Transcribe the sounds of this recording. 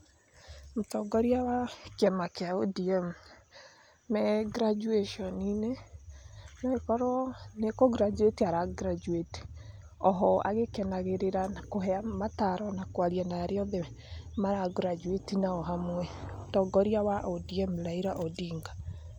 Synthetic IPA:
mutɔɡɔɾiawakɛmakeaodiɛm | mɛɡɾad͡ʒueʃɔnine | nɔekɔɾɔnekɔɡɾad͡ʒuetiaɾaɡɾad͡ʒueti̥ | ɔɦɔa̰ɣekɛnaɣeɾeɾaakoɦɛamataɾɔnakwaɾianaɾeɔðɛ | maɾaɡɾad͡ʒuetinaɔɦamwɛmotɔɡɔɾiawaʔodiɛmlaiɾaʔɔdiːŋɡa

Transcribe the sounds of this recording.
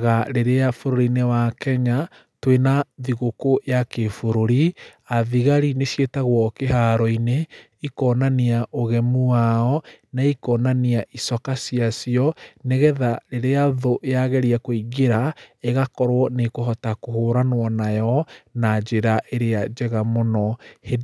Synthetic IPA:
ɣaɾeɾeafoɾoɾinewakɛɲa | twenaðiɣokojakefoɾoɾi | aðiɣaɾinesjetaɣwɔkehaɾɔine | ikɔnaniaʔoɣɛmuaɔnaikɔnaniaʔisɔkasiasiɔneɣɛðaɾeɾeaðoʔeaɣɛɾiakoiɣeɾaeɣakɔɾwɔnekoɦɔtakohoːɾanwɔnajɔnad͡ʒeɾaʔeɾead͡ʒɛɣamonɔhe

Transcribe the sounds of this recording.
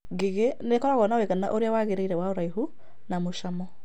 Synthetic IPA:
ɡeɣenekɔɾaɣɔnaweɣana̰ʔoɾeawaɣeɾeiɾɛwaoɾaiɦu | namoʃamɔ

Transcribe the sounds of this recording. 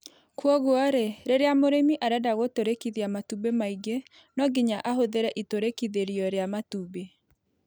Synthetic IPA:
kwɔɣwɔɾeɾeɾeamoɾemiʔaɾadaɣotoɾekiðiamatubemaiɡe | nɔɡiɲaʔaɦoðeɾɛʔitoɾekiðeɾiɔɾeamatube

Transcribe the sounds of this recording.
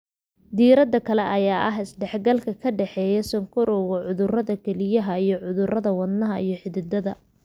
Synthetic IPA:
d̪iːɾɐd̪ɐkʰɐlɛʔɐjaːʔɐɦɪsɖɛħɡɐlkʰɐkʰɐɖɛħɛːjɛsɐŋkʰʊɾɔɣɐʕʊðʊrɐðɐkʰɛlɪjɐɦɐijɞʕʊðʊrɐðɐwɐd̪nɐɦɐʔijɞħɪðɪd̪ɐðɐ

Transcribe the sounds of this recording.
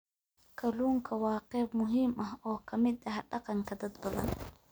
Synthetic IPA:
kʰɐluːŋkʰɐwɑːqɛːbmʊɦiːmʔɐɦɔːkʰɐmɪd̪ɐɦɖɑqɑŋkʰɐd̪ɐd̪bɐðɐ̰n

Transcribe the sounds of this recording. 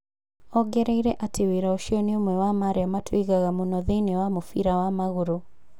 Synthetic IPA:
ɔɡɛɾɛiɾɛʔatʰeweɾaoʃiɔniomwɛwamaɾɛamatʰwiɣaɣamunɔðenewamufiɾawamaɣuɾu

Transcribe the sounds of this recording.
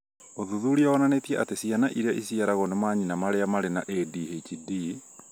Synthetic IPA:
oðuðuɾiaɔnanetiɛʔatesianaʔiɾeaʔisiaɾaɣonemaɲinamaɾeamaɾenaʔedihet͡ʃidi

